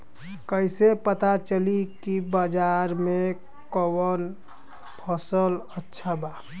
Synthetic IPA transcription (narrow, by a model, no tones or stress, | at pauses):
kəɪsepət̪at͡ʃəlikibəd͡ʒaɾmẽ | kɔwən | pʰəsələtːʃʰaba